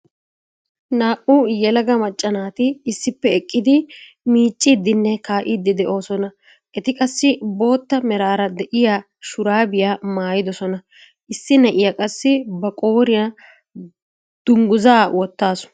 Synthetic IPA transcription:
naːʔujɛlɐɡɐmɐt͡ʃʼːɐnaːt̪ɪːsːɪpːɛɛkʼːɪd̪ɪ | miːt͡ʃʼːiːd̪ːɪnːɛkaːʔiːd̪ːɪd̪ɛʔo̞ːsɔnɐ | ʔɛt̪ɪkʼɐsːɪbo̞ːt̪ːɐmɛɾaːɾɐd̪ɛʔɪjaː | ʃʊɾaːbɪjaːmaːjɪd̪ɔsɔnɐ | ʔɪsːɪnɐʔɪjakʼɐsːɪbɐkʼoːɾɪjɐ | d̪̥ʊŋɡʊzaːwɔt̪ːaːsʊ̥

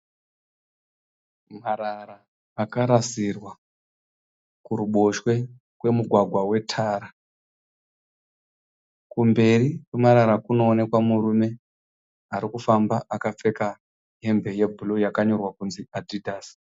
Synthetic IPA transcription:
maɾaɾaː | kaɾasirwa | kuɾuɓo̞ʃwe̞ | kwe̞muɡʱwaɡʱwawe̞tʰaːɾa | kumbe̞rikwemaɾaɾakuno̞ːne̞kwamuɾume̞ | aɾikufambaʔakap͡fe̞ka | ɦe̞mbe̞je̞bʱulojakaɲo̞rwakunziadidʱaːs

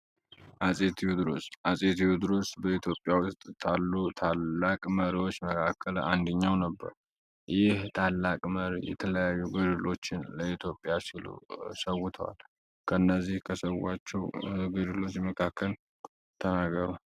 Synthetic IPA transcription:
ʔasʼet̪ʰijud̪ɾo̰sʔasʼet̪ʰijud̪ɨɾosbəit̪ʰjo̞pʼːjawʊst̪ʼt̪ʰalːut̪ʰalːakʼməɾiwo̞t͡ʃːməkʰakʰːəland̪əɲːawnəbːə̰ɾ | jɪht̪ʰalːakʼməɾijɛ̰t̪ʰələjajːuɡɨd̪ɨlo̞t͡ʃːɪnləit̪ʰjo̞pʼjasilṵsəwut̪ʰəwa̰l | kʰəɨnːəzːihkʰəsəwat͡ʃːɛwɡɨd̪ɨlo̞t͡ʃːməkʰakʰːəl | t̪ʰənaɡəɾu

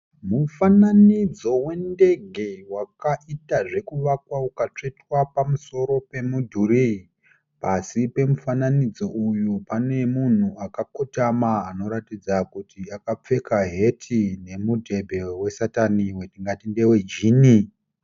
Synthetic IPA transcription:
mufananid͡zo̞we̞nde̞ɡʱe̞wakaʔitaʐe̞kuʋakwaukat͡ʂe̞twapamuso̞ɾo̞pe̞mudʱurii | pasipe̞mufananid͡zo̞ujupane̞mun̤uakakotamaːno̞ɾatid͡zakutiakap͡fe̞kaɦe̞tʰine̞mudʱe̞bʱe̞we̞sataniwe̞tiŋɡatinde̞we̞d͡ʒiːni

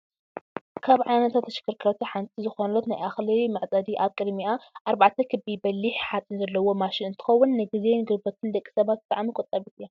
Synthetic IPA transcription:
kʰaβʕajnɐt̪ʰat̪ʰːɐʃɪ̥kːɨɾkʰɨɾɐt̪ʰiħant͡sʼizɨxonlot̪najʔaxlimɐʕt͡sʼɐd̪iʔaβkʼɨd̪miʔaʔaɾbaʕt̪ʰɐkʰɨbibɐlːiħħat͡sʼɨnzɐlːɐwo̞maʃɪnɨnt̪ʰɨ̥xɐwːunːɨɡizenɡɨɾbɐt̪ʰɨnd̪ɐkʼːi̥sɐβat̪̚bɨt̪ʼaʕmikʼot̪ʼɐβit̪ɨjːa

